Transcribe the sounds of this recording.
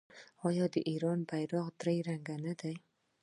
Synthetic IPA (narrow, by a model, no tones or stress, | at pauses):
hɒjɒd̪iʔeɾɒnbajɾɒqd̪ɾajɾaŋɡanɪd̪aj